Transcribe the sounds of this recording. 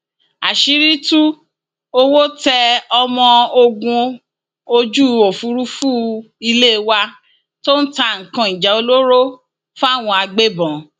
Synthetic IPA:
a̰˨ʃi˨˦ɾi˦tu˦ | o˧wo˦tɛ˧ɔ˧mɔ̃˧o˧ɡũ˧ | o˧d͡ʒu˦o˨fu˨˦ɾu˦fu˦ | i˧le˦˧wa˧ | to˦ñ̩˦ta˧˨ŋ̩˨kã˧i˨d͡ʒɛ˨˦o˧lo˦ɾo˦ | fa˦˨w̃ɔ̃˧a˧ɡ͡be˦bɔ̃˨

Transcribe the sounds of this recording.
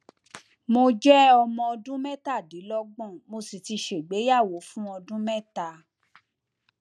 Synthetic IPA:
mo˧d͡ʒɛ˦ɔ˧mɔ̃˧ɔ˧dũ˦mɛ˦ta˦˨di˨˦lɔ˦ɡ͡bɔ̃˦˨mo˧si˨ti˧ʃe˨ɡ͡be˨˦ja˦˨wo˨˦fũ˦ɔ˧dũ˦mɛ˦˨ta˨

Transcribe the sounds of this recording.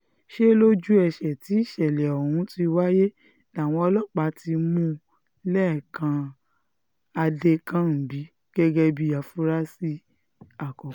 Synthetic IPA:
ʃe˦lo˦d͡ʒu˦ɛ˧˨ʃɛ˨ti˨˦i˦˨ʃɛ˨lɛ˨ɔ˨hũ˨˧˦ti˧wa˦je˦ | na˨w̃ɔ̃˧ɔ˧lɔ˦˨k͡pa˨˧ti˧mũ˦ | lɛ˦˨kã˧ | a˧de˧kã˦n̩˨bi˨˦ | ɡ̥ɛ˦ɡɛ˦bi˦ja˨fu˦ɾa˦si˦ | a˦˨kɔ˨

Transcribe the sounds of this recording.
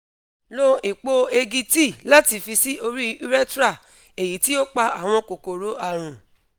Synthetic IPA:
lo˧e˨k͡po˧e˧ɡi˧ti˦˨la˦ti˧˨fi˧si˦ʔo˧ɾi˦u˦ɾɛ˦tɾa˦˨ | e˨ji˨˦ti˦o˦k͡pa˧a˨w̃ɔ̃˧ko˨ko˨ɾo˨˦a˦˨ɾ̃ũ˨

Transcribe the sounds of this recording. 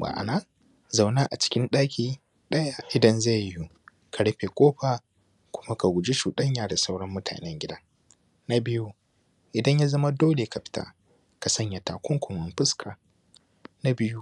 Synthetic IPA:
ba̰˨ʔa̰˨na˦ | za˨wnaː˦ʔa̰˨t͡ʃɪ̥˦kʲɪ˦nɗaː˦kʲiː˨ | ɗɐ˦ja˨ʔɪ˨dɐ˦nza˦˨jju˦ | kʰa˨ɽɐ˦ɸe˨kʷʼoː˦ɸa˨ | kʷʊ˦ma˦ka˨ɡʷʊ˨d͡ʒe˦ʃuː˨ɗɐ˦ɲjaː˨da˨sa˦wɽɐ˦mːʊ˦tʰa̰ː˨nɛ˦ŋɡʲɪ˦dɐ˦ŋ | na˦bɪ˦ju˦ | ʔɪ˨dɐ˦ɲja˦zɐ˦ma˦doː˦le˨ka˨ɸɪ̥˦tʰa̰ː˦ | ka˨sɐ˦ɲja˨taː˨kʷɔ˦ŋkʷʊ˨mɐ˨mɸɪ˦skʰaː˨ | na˦bɪ˦ju˦

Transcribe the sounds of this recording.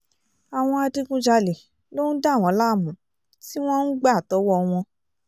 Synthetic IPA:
a˨w̃ɔ̃˧a˧di˧ɡũ˧˦d͡ʒa˧le˨ | lo˦n̩˦da˦˨w̃ɔ̃˨˦la˦˨mũ˨˦ | ti˦w̃ɔ̃˦n̩˦ɡ͡ba˦˨tɔ˨˦wɔ˦w̃ɔ̃˧

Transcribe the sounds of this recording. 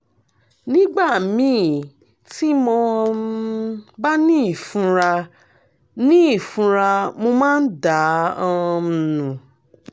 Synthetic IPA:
nĩ˦ɡ͡ba˦˨mĩː˨˦ | ti˦mɔ̃˧ | ba˦nĩ˦i˦˨fũ˧ɾa˧ | nĩ˦i˦˨fũ˧ɾa˧mo˧mãː˦n̩˦da˨˦ɔ˧˨nũ˨

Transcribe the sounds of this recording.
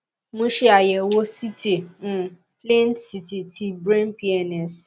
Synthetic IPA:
mõ˧ʃe˦a˨jɛ˨wo˦si˦ti˦˨ũ˨ | plẽ˦ntsi˦ti˨tʰi˧bɾẽ˦npi˦ɛ˧˨nɛ˨s

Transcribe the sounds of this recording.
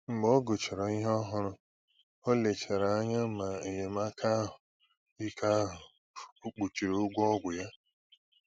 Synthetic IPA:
ŋ͡m̩˨ɡ͡bɔ˦ɡo˨t͡ʃe˨ɾɔ˨i˦ɦɔ˦ɦʊ˦ɾʊ˦ | o˦le˨t͡ʃe˨ɾa˨a˦ɲa˦ma˨e˨ɲe˨m˦a˦kʰa˦ɦʊ˨ | i˦kʰa˦ɦʊ˨ | u˦k͡pu˨t͡ʃi˨ɾo˦ɡʷɔ˦ɡʷʊ˨ja˦

